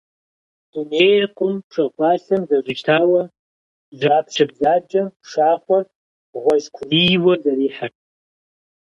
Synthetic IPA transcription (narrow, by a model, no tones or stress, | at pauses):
d̥unejrqʷʼʊmpʰʂɨrχʷʰaɬamzaʐʷɨʒtʰawa | zapʰʃʰʷabzad͡ʒʼapʰʂaχʷar | ʁʷazkʷʰlijwazaɾiħaʈ͡ʂʼ